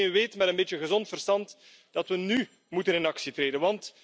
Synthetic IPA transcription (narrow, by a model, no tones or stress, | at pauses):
enʋeːtmɛɾənbeːt͡ʃjəɣəzɔntfərstɑnt | d̥ɑtwʋəny | mutənɪnɑksitreːdənʋɑnt